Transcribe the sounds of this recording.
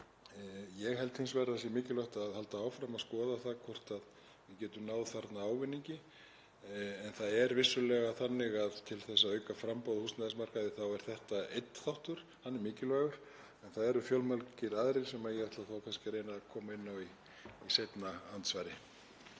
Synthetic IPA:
jɛɣhɛlt̪hɪnsvɛɾðas̬jɛmɪːcɪlœht̪aðhal̪t̪aawfɾamaðskɔːðaθakʰvɔr̥t̪að | vɪðcɛːt̪ʏmnaːwðθaɾt̪naaːwvɪnːiɲcɪ | ɛnθaðɛɾvɪsːʏlɛɣaθanːɪɣaðt̪ʰɪlθɛsːaœːɥkafɾampawðɪhust̪naðɪsmar̥kaðɪθawɛɾ̥θɛht̪aejt̪θawht̪ʏɾ̥ | hanːɪmɪːcɪlvɛːɣʏɾ̥ | ɛnθaðɛɾʏfjœlmalcɪɾaðɾɪ̥sɛmajɛɛht̪laθawkʰɛnscɪɾejnakʰɔːmaɪnːawi | isejt̪naant̪svajɾɪ

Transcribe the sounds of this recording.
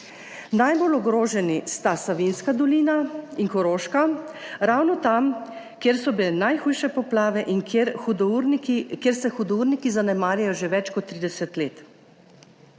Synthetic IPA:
najbolɔɡɾoːʒɛnist̪asaʋinskad̪ɔliːnaiŋkɔɾoːʃkaɾawnɔt̪am | kjeːɾsɔbilɛnajxuːjʃɛpɔplaːʋɛʔiŋud̪uɾnkʲjeɾsɛxud̪uɾnikizanɛmaːɾjajɔʒeʋɛt͡ʃkɔt̪ːɾiːd̪ɛsɛt̪leːt̪

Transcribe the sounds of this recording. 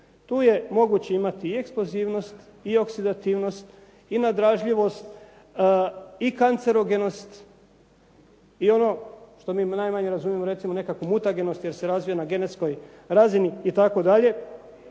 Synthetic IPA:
t̪uːje̞mo̞ɡut͡ɕeimat̪iie̞ksploziːʋno̞st̪ | io̞ksid̪at̪iːʋno̞st̪ | inad̪ɾaːʒʎiʋo̞st̪ | ikant̪se̞ɾo̞ɡenost̪ | io̞no̞ʃt̪o̞miːnajmaɲe̞ɾazumijemoɾe̞t̪simo̞ne̞kakomut̪aɡe̞nost̪jeɾse̞ɾazʋijanaɡe̞ne̞t̪sko̞j | ɾaziniːt̪ako̞d̪aʎe̞

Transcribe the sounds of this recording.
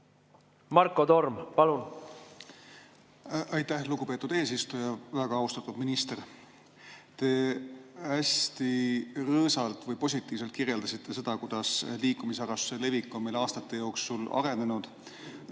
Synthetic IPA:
mɑrkːˑod̪o̞rmpɑlun | ʔɑjt̪ːˑæhluɡupe̞ːt̪ːˑud̪e̞ːsist̪ujɑvæɡ̥ɑɑwst̪ɑt̪ːˑud̪̥minist̪e̞r | t̪e̞ | æst̪irɤːsɑlt̪ˑvɤjpo̞s̬ʲit̪ːˑiːvse̞lt̪kirje̞ld̪ɑsit̪ːe̞se̞d̪̥ɑkud̪̥ɑsliːkumisɑɾɑssele̞vikːˑo̞mejlɑːst̪ɑt̪ˑːe̞jo̞ːksulɑ̰ɾe̞ne̞nud̪̥

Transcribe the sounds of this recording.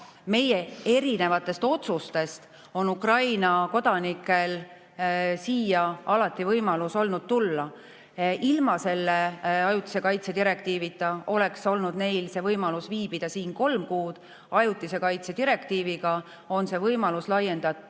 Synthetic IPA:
me̞jee̞ɾine̞vɑt̪ːˑe̞st̪o̞t̪sust̪e̞st̪ | o̞nukrɑjnɑko̞d̪̥ɑnikːˑe̞l | siːjɑɑlɑt̪ːˑivɤjmɑluso̞lnud̪̥̚t̪ulːɑ | ilmɑse̞lːeɑjut̪ːˑi̥se̞kɑjt̪sed̪iɾe̞kt̪iːvit̪ːˑɑo̞le̞kso̞lnud̪̥ne̞jlse̞ːvɤjmɑlusviːb̥id̪̥ɑsiːnko̞lmkuːd̪̥ | ɑjut̪ːˑise̞kɑjt̪sed̪iɾe̞kt̪iːviɡɑ | o̞nse̞vɤjmɑluslɑje̞nd̪̥ɑt̪u

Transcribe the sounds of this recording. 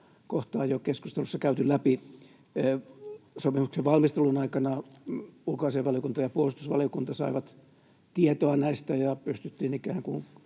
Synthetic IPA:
koht̪ɑːjokesku̥st̪elusːɑkæyt̪ylæpi | sopimukseʋʋɑlmist̪elunɑikɑnɑ | ulkɑiseʋʋɑlijokunt̪ɑjɑpuolust̪usʋɑ̰lijokunt̪ɑsɑiʋɑt̪ | t̪iet̪oɑnæist̪æjɑpyst̪yt̪ːiːnikæːŋkun

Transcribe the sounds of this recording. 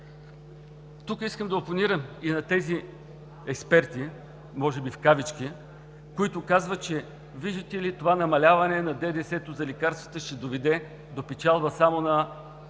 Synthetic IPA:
t̪ukiskəmd̪ɐoponiɾəminɐt̪ɛzi | ɛkspɛɾt̪i | mɔʒɛbifkavit͡ʃk̟i | koit̪ʊkazvət͡ʃɛ | viʒd̪ət̪ɛlit̪ovanɐmɐlʲavɐnɛnɐd̪ɛd̪ɛsɛt̪ʊzɐlikaɾst̪vət̪əʃt̪ɛd̪ovɛd̪ɛ | d̪opɛt͡ʃalˠbəsamonɐ

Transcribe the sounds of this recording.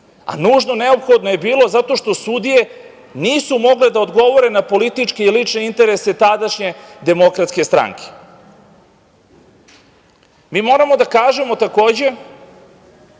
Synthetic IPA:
a̰nuːʒnoneo̞pxo̞d̪noje̞biːlˠo̞zat̪o̞ʃt̪o̞sud̪ije̞ | niːsumo̞ɡle̞d̪aod̪ɡo̞ʋo̞ɾe̞napo̞lit̪it͡ʂkeilit͡ʂne̞int̪e̞ɾese̞t̪ad̪aʃɲe̞d̪e̞mo̞kɾat̪ske̞st̪ɾa̰ŋke̥ | miːmo̞ːɾamo̞d̪akaːʒe̞mo̞t̪ako̞ːd͡ʑe̞

